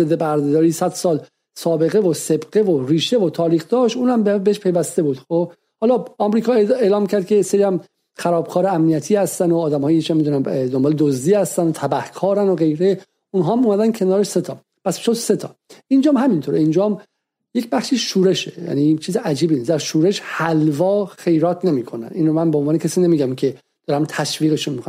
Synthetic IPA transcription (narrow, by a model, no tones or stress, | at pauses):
zed̪ːebæɾd̪ed̪ɒːɾiːsæd̪̥sɒːl | sɒːbe̞ɣe̞vose̞bɢevoɾiːʃe̞vot̪ʰɒːɾiːxd̪ɒːʃt̪uːnæmbebeeʃpʰe̞jvæst̪e̞buːd̪xo | hɒːlɒɒːmɾiːkʰɒːeelɒːmcʰæɾd̪̚cʰe̞jeseɾiæm | xæɾɒːb̥kʰɒːɾeæmnijæt̪ʰiːhæst̪ænoːd̪æmɒːjiet͡ʃæmːid̪unænd̪ombɒːled̪ozd̪iːhæst̪ænot̪ʰæbæhkʰɒːɾænoɣe̞jɾe | unɦɒːæmuːmæd̪ænkʰe̞nɒːɾeʃset̪ʰɒː | pʰæsʃod̪set̪ʰɒ̰ːind͡ʒɒːmɦæmint̪ʰoɾeind͡ʒɒːm | jecbæχʃiʃuːɾe̞ʃejæ̰niːt͡ʃʰiːzeʔæd͡ʒiːbinisd̪æɾʃuːɾe̞ʃhælvɒːxe̞jɾɒːt̪ʰne̞miːkʰonæ̰niːnomænboonvɒːnecʰæsiːnemiːɟæmkʰe̞ | d̪̥ɒːɾæmt̪ʰæʃviːɣeʃunmiːkon